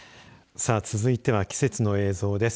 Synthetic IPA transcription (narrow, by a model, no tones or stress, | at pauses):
saːt͡sɨzɨit̪e̞βakʲi̥se̞t͡sɨno̞e̞ːzo̞ːd̪e̞s